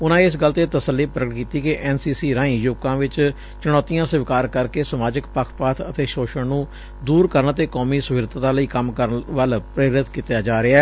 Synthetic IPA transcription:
ʊnãːɪs̬ɡəlt̪eːt̪əsəlːiːpɾəɡʈ̚kiːt̪iːkɪʔɛːnsiːsiːɾãːĩːjʊkãːʋɪt͡ʃ | t͡ʃʊɽ̃ɔːt̪ijãːsəʋɪkaːɾkəɾkeːsəmaːd͡ʒəkpəkʰpaːt̪ʰət̪eːʃoːʃəɳnũː | d̪uːɾkəɾəɳt̪eːkɔːmiːsʊʋɪɾt̪ːt̪ãːləiːkəmkəɾʋəlpɾeːɾɪt̪kiːt̪ejaːd͡ʒaːɾɪaɛː

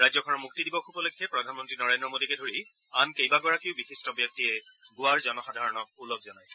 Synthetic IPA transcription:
ɹajzɔkʰɔnɔmuktidibɔkʰupɔlekʰːɛpɹɔdʱanmɔntɹinɔɹendɹɔmodikɛdʱoɹi | ankejbaɡɔɹakiʊbixistɔbjɔk̚tiɛɡʊaɹzɔnɔxadʱaɹɔnɔk̚ulɔk̚zɔnajsɛ

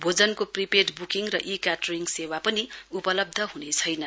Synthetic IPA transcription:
bʱod͡zʌnkopripeʈbukiŋrʌʔikaʈʌriŋɡsewapʌniupʌlʌb̚d̪ʱʌɦunet͡sʰʌjnʌ

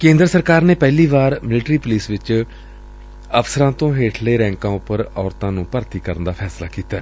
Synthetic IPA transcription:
kẽːnd̪ɾəsəɾkaːɾneːpɛːliːʋaːɾmɪlʈɾiːpʊliːsʋɪt͡ʃ | əfsəɾãːt̪õːɦeːʈʰleːɾɛ̃ːŋkãːʊpəɾɔːɾt̪ãːnũːpəɾt̪iːkəɾənd̪aːpʰɛːslaːkiːt̪aː

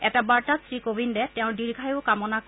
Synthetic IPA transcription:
ɛtabaɹtasɹikobindɛtɛʊ̃ɹdiɹɡʱajoʊkamɔnak

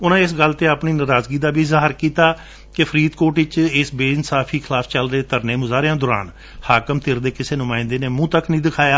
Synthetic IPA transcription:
ʊnãːɪsɡəlt̪eːəpniːnəɾaːzɡiːd̪aːbiːzaːɦəɾkiːt̪aː | kepʰəɾiːd̪koːʈɪt͡ʃɪsbeːnsaːpʰiːkʰɪlaːpʰt͡ʃəlɾeːt̪əɾneːmʊzaːɾejãːd̪ɔʊːɾa̰ːn | haːkəmt̪ʰɪɾd̪eːkɪseːnʊmãːɪ̃nd̪eːneːmũːt̪əknĩːd̪ɪkʰaːjaː

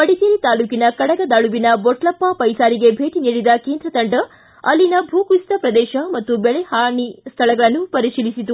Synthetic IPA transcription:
pɐɽit̪iɾit̪aːluːkinɐkɐɽɐɡɐd̪aːɭubinɐbɔʈlɐpːapɐjsaːɾiɡe̞bʱeːʈiniːɽid̪ɐkeːnd̪ɾɐt̪ɐɳɖɐ | ɐlːinɐbʱuːkust̪ɐpɾɐd̪ɛːʃɐmɐt̪ːubɛɭehaːɳist̪ʰɐlɐɡɐɭɐnːupɐɾiʃilisit̪u

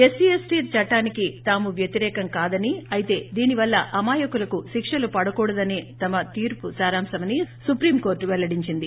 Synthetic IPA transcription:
esiesʈiːɾt͡ʃɐʈːaːnikit̪aːmuʋjɐt̪iɾɛːkɐŋkaːd̪ɐniɐjit̪e̞ːd̪iːniʋɐlːɐʔɐmaːjɐkulɐkuʃikʂɐlupɐɽɐkuːɽɐd̪ɐneːt̪ɐmɐt̪iːɾpusaːɾaːmsɐmɐnisupɾiːmko̞ːɾʈʋɛlːɐɽiɲt͡ʃind̪i

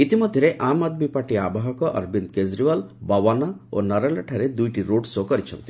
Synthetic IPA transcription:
it̪imɔd̪ʱjɔɾeʔamad̪mipaʈiabaɦɔkɔʔɐ̰ɾbind̪kezɾiʋalbɔwanao̰nɐɾaleʈʰaɾed̪ujʈiɾoɖsɔkɔɾit͡ʃʰɔ̰nt̪i̥

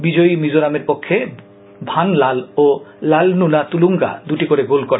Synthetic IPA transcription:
bid͡ʑoimid͡ʑoɾameɾpokʰːe | bʱanlalolalnunat̪uluŋɡa̰d̪uʈikoɾeɡolkoɾe

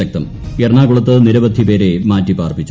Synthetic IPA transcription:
ɐk̚t̪ɐm | erɳaːɡuɭɐt̪ːɨniɾɐbɐd̪ʱːipe̞ːɾemaːtːipaːrpit͡ɕːu

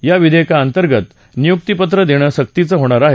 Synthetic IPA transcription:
jaʋid̪ʱekaənt̪əɾɡət̪ | nijuk̚t̪ipət̪ɾəd̪eɽ̃əːɕək̚t̪it͡səɦoɽ̃aɾaɦe

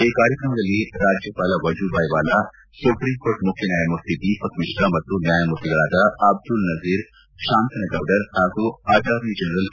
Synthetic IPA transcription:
eːkːaːɾjəkɾəmɡɐlieɾaːd͡ʒjəpaːlaʋɐd͡ʒubʱaːiʋaːla | sʊpɾĩːmkoːɾʈmʊkʰinjaːjamʊɾt̪id̪iːfɐkmɪʃɾamɐt̪ɾuːnjaːjamʊɾt̪iɡɐɭaːd̪aɐb̚d̪ʊlnɐziːɾ | ʃãːnt̪ɐnɐɡaːwɖɐɾhaːkuaːd͡ʒaːɾnid͡ʒɐnɾəl

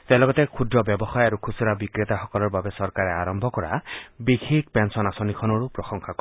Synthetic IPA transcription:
t̪elɔɡɔt̪ekʰud̪ɾɔbjɔbɔxɔjaɾukʰusiɾabikɾet̪axɔkɔlɔɾbabesɔɾkaɾeaɾɔmbʱɔkɔɾa̰biɡʰʱik̚pensɔnasɔnikʰɔnɔɾupɾɔsɔŋkʰakɔ

